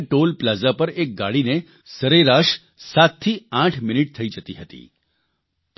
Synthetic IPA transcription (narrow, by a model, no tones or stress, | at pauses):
ʈolpləzapəɾek̚ɡaɭine | səɾeɾaʃ | sat̪t̪ʰːiãʈʰmɪniʈ̚t̪ʰəid͡ʒət̪iɦət̪ḭ | p